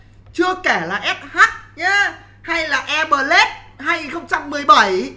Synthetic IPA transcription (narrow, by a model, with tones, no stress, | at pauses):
t͡ɕɨ˧əkɛ˧˩laː˨˩ʔɛ˦˥p̚haː˦˥t̚ɲaː˨˦ | ha˧jlaː˨˩ʔɛ˧ɓəː˨˩le˦˥t̚ | haː˧jŋi˨˩nxə˧wŋ͡mt͡ɕa˧mːɨ˨˩əjɓa˧˩j